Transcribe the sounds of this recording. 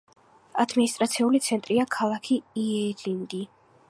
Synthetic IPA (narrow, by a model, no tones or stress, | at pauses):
ad̪minist̪ʼɾat̪sʰiulit̪sʰɛnt̪ʼɾiakʰalˠakʰiiɛlind̪i